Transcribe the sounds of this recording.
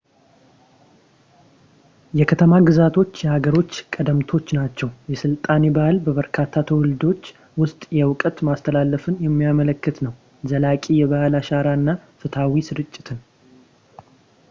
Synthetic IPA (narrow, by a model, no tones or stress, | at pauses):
jɛkʰət̪ʰəmaɡɨzat̪ʰo̞t͡ʃːjɛhaɡəɾo̞t͡ʃːkʼəd̪əmt̪ʰo̞t͡ʃːnat͡ʃːɛwjɛsɨlt̪ʼanebahalbəβəɾkʰat̪ʰːat̪ʰəwʊld̪o̞t͡ʃː | wʊst̪ʼjɛwʊkʼət̪mast̪ʰəlalːəfɨnjɛmːijamələkːɨt̪nəw | zəlakʼijɛβahalaʃaɾaɨnːafɨt̪ʰawisɨɾɨt͡ʃʼːɪt̪ʰɨn